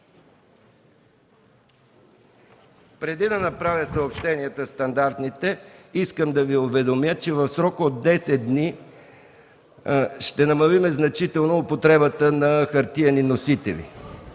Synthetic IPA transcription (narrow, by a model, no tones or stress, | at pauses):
pɾɛd̪id̪ɐnɐpɾavʲjəsəopʃt̪ɛniɛt̪əst̪ɐnd̪aɾt̪nit̪ɛiskəmd̪ɐviʊvɛd̪omjət͡ʃɛvɐfsɾɔkod̪d̪ːɛsɛt̪̚d̪ni | ʃt̪ɛnɐmɐlimɛznɐt͡ʃit̪ɛlˠnoːpot̪ɾɛbət̪ənɐxɐɾt̪iɐninosit̪ɛ̰lḭ